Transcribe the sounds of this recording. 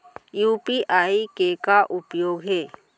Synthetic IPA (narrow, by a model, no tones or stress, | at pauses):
jupiʔaikekaʔupjoːɡɦe